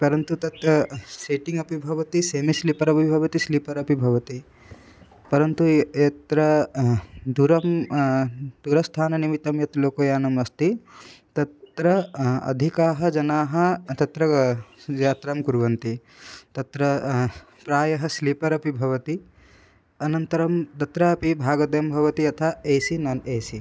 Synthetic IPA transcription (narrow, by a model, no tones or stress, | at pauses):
pɐɾɐnt̪ut̪ɐt̪ɾɐseːʈiŋɡɐpibʱɐʋɐt̪iseːmislipɐɾɐbibʱɐʋɐt̪islipɐɾɐpibʱɐʋɐt̪i | pɐɾɐnt̪uɐt̪ɾɐ | d̪uɾɐm | d̪̥uɾɐst̪ʰaːnɐnimit̪ɐmjɐt̪loːkoːjaːnɐmɐst̪it̪ɐt̪ɾɐɐ̰d̪ʱikaːɦɐd͡ʒɐnaːɦɐ̆t̪ɐt̪ɾɐjaːt̪ɾɐmkuɾʋɐnt̪i | t̪ɐt̪ɾɐ | pɾaːjɐɦɐslipɐɾɐpibʱɐʋɐt̪i | ɐnɐnt̪ɐɾɐmt̪ɐt̪ɾɐɐpibʱaːɡɐt̪jɐmbʱɐʋɐt̪iɐt̪ʰaeːsinaːneːsi